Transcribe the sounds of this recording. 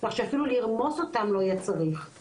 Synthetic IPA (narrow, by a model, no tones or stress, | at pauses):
laχʃeafiluliʁmo̞so̞t̪amlo̞ajat͡saʁiχ